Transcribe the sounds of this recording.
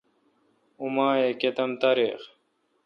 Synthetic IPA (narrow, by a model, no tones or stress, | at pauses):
umaːeket̪ɐmt̪aːɾeːx